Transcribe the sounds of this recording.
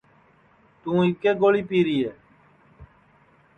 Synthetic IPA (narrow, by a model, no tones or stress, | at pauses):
t̪ũːɪkeːɡoːɭiːpiːɾiːeː